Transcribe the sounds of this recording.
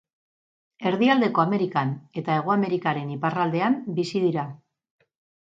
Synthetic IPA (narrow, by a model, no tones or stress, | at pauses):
e̞ɾðiald̪e̞ko̞ame̞ɾikane̞t̪ae̞ɣ̞oame̞ɾikaɾe̞niparald̪e̞ambisiðiɾa